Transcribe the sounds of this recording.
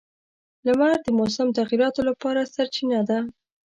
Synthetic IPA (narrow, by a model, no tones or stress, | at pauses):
lamaɾd̪əmosamt̪aɣiɾɑt̪olapɑɾasaɾt͡ʃinad̪a